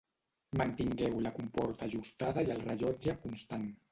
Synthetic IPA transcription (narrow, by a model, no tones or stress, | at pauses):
mənt̪iŋɡɛwləkumpɔɾt̪aʒust̪aðəjəlˠrəʒɔd͡ʒəkunst̪an